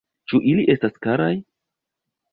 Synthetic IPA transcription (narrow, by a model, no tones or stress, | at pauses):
t͡ʃuʔiliʔe̞staskaɾaj